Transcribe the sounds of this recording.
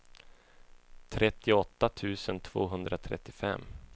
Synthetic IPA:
t̪ʰɾɛt̪ːɪɔt̪ːat̪ʰʉ̟ːsənt̪ʰv̥o̰ːɦɵnd̪ɾat̪ʰɾɛ̰t̪ːɪfɛ̰mː

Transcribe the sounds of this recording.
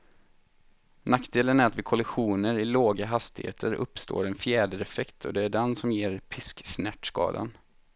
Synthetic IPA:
nakːd̪eːlənæɾat̪vɪkʰɔlɪɧuːnəɾɪloːɡaɦast̪ɪhḛːt̪ʰəɾɵ̰pːst̪o̰ːɾɛnfjæːɖəɾɛfɛkt̪ʰɔ̰d̪ɛæɖɛnsɔmjeːɾpʰɪsksnæʈskɑ̰ːd̪a̰n

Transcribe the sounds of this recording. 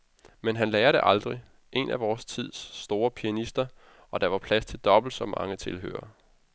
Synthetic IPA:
menɦænlɛːɐɾ̥e̝ʔɑ̈ld̥ʁi | ʔe̝nʔæʋɒːst͡sʰið̞̰ˠsːd̥o̝ːɐpʰiænisd̥ɐ | ɒ̽d̥ɑ̈ʋɑ̈pʰlæst͡sʰe̝ld̥ɒ̽b̥l̩d̥sɒ̽mːɑ̈ŋət͡sʰe̝lɦø̰ːɐ

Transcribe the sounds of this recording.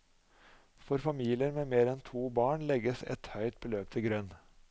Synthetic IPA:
fɔɾfɑmiːlɪəɾmeːmeːɾɛnt̪ʰuːbɑːɳlɛɡəsɛ̰t̪hœʏt̪̚bəløːp̚t̪ʰɪɡɾœn

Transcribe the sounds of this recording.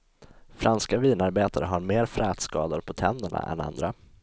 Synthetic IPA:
fɾʔanskaviːnaɾbeːt̪aɾəɦaɾmeːɾfɾɛːt̪skɑːd̪ʊɾpʰɔt̪ʰɛnd̪əɳa̰ʔɛ̰na̰nd̪ɾa

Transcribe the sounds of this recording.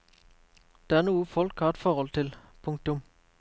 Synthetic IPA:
d̪̥eːæːʁnuːəfɔlkhɑːʁɛt̪fɔʁhɔlt̪ʰɪl | pʰʊŋk̚t̪ʊm

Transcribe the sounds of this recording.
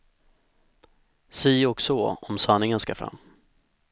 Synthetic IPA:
siːɔksɔɔmsanːɪŋənskafɾa̰mː

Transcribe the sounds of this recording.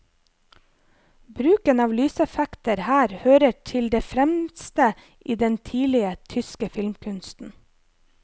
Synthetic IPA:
bɾʉːkənɑːʋlyːsɛfækt̪əɾhæːɾhøːɾəʈʰɪld̪eːfɾɛmst̪ə | ʔiːd̪ɛnt̪ʰiːlɪət̪ʰʏskəfɪlmkʰʉnst̪n̩

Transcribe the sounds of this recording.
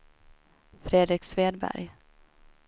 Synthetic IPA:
fɾeːd̪ɾɪksveːd̪bæ̰ɾj

